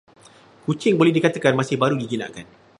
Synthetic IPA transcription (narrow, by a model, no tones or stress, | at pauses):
kut͡ʃɪŋbolɛhdikat̪əkanmasɪhbaɾuɡiɡinã̰ʔkan